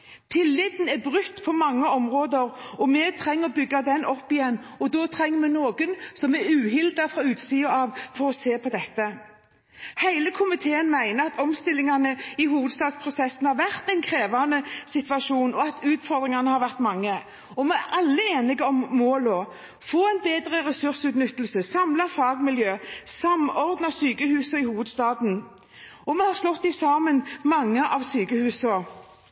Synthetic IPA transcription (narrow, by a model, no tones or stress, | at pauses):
t̪ʰɪlːɪd̪n̩ɛbʁʉt̪ːpʰɔmɑŋːəɔmʁoːd̪əɾɔmɛt̪ʰɾɛŋːəɔbʏɡːad̪ɛnːʔɔpːɪjɛnːɔd̪ɔːt̪ʰɾɛŋːəmɛnoːɡənsɔmɛʉːɦɪld̪ɑfʁɑʉːt̪siːəɑːʋfɔɾɔseːpʰɔd̪ɛt̪ːə | hæɪləkʰʊmɪt̪ʰeːənmæɪnəɑt̪ɔmst̪ɪlːɪŋɑnəɪɦuːʋəd̪st̪ɑːd̪spʰʁʊsɛsːn̩hɑɾʋæʁt̪ɛɪnkʰɾeːʋɑnəsɪt̪ʋɑʃuːnɔɑt̪ʉːt̪fɔʁd̪ʁɪŋɑnəhɑɾʋæʁt̪mɑŋːə | ɔmɛæʔɑlːəeːnɪɡəɔmːoːlɔ | foːæɪnbeːd̪ʁəʁɛsʉʁsʉːt̪nʏt̪ːlsəsɑmlɑfɑːɡmɪljøːsɑmɔʁd̪nɑsyːkəhʉːsɔɪhuːʋəd̪st̪ɑːd̪n̩ | ɔmɛhɑʁslɔt̪ːɪsɑːmənmɑŋːəʔɑʋsyːkəhʉːsɔ